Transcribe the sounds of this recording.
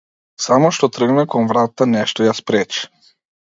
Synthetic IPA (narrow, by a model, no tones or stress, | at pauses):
samɔʃt̪ɔt̪r̩ɡmɛkɔnvɾat̪anɛʃt̪ɔjaspɾɛt͡ʃi̥